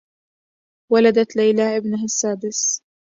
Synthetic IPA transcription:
walad̪at̪lajlaːʔɪbnaɦasːaːbɪs

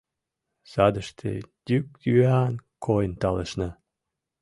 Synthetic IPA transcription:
sɑd̪əʃt̪ʰḛd̪̥ʲykjyankʰojənt̪ɑləʃnɑ

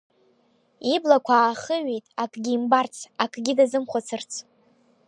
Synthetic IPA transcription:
iblakʷʰaːχəɥejtʼakʼɡʲiːmbart͡sʰakʼɡʲɪdazɨmχʷat͡sʰɨrt͡sʰ

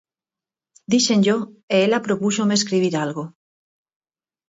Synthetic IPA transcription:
d̪iʃenʎoeelapɾopuʃomes̬kɾiβ̞iɾalɣo

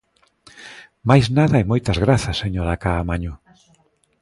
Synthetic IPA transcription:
majznaðɐemojt̪ɐzɣɾaθɐseɲoɾakaːmaɲo

